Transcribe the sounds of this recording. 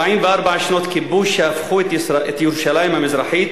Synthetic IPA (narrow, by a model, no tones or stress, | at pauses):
ʕiːmvɪʔɑɾˤbaʕʃnoːt̪kɪbuːʃafxuːt̪ʔet̪juɾuʃalajɪmamɪzɾˤɑħiːt̪